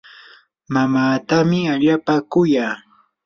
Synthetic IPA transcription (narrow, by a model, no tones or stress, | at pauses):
mamaːt̪amɪaʎapakʊjaː